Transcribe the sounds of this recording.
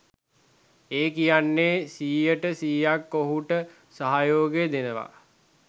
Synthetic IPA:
eːkijanːesiːjəʈəsiːjakːoɦuʈə | saɦajoːɡed̪enəʋa̰

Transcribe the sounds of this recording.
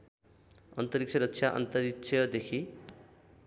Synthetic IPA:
ʌ̰nt̪ʌɾik̚t͡sʰʌɾʌksʰjaʔʌ̰nt̪ʌɾikt͡ʃʰʌd̪ekʰi

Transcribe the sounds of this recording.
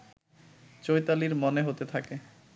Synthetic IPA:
t͡ɕojt̪aliɾmoneɦot̪et̪ʰake

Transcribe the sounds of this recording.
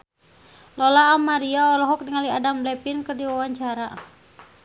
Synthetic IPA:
lɔlaːmaɾiaɔlɔɦɔk̚dəŋaliadamblɛpinkərdiwawaɲt͡ʃaɾa

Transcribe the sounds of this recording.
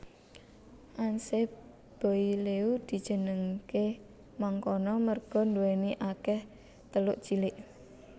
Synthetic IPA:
ʔanse | b̥ɔ̤ileud̪̥i̤d̥ʒ̥ə̤nəŋke | maŋkɔnɔmərɡ̥ɔ̤nduwɛniʔakɛh | t̪əlʊʔt͡ʃilɪʔ

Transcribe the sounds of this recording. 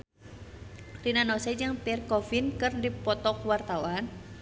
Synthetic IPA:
rinanɔsɛd͡ʒɨŋpɛrkɔfinkɨrdipɔt̪ɔk̚wart̪awan

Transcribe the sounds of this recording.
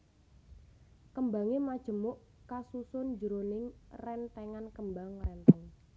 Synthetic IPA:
kəmbaŋemad̥ʒ̥ə̤mʊʔ | kasusʊnd͡ʒəɾonɪŋrɛnt̪ɛŋankəmbaŋrɛnt̪ɛŋ

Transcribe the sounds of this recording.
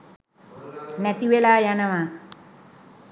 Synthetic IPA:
næt̪iʋelaːjanəma

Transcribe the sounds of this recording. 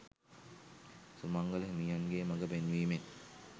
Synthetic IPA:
sumaŋɡəleɦmijanɡeːmaɡəpenʋiːmen

